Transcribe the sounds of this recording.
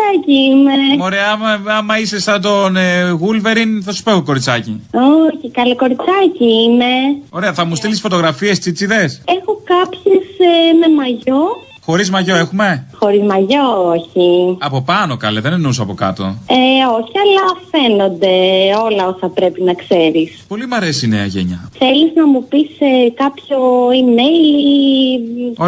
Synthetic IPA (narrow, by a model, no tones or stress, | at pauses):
ɐciimeoɾe̞ɐɐmɐɐmɐisesɐnd̪onɣulve̞ɾinθɐsu̥poexoko̞ɾit͡sɐcioçikɐleko̞ɾit͡sɐciineo̞ɾe̞ɐθɐmust̪ilisi̥sfo̞t̪oɣɾɐfiest͡sit͡siðe̞sexo̞kɐpçesme̞mɐʝo | xo̞ɾizmɐʝo̞e̞xume̞xo̞ɾizmɐʝooçiɐpo̞pɐnokɐleðenenusoɐpo̞kɐ̰t̪o̞eoçiɐlɐfeno̞nd̪e̞o̞lɐosɐpɾe̞pinɐkseɾispo̞limɐɾesinḛɐʝḛɲɐ̰θe̞liznɐmupiskɐpço̞imejl | o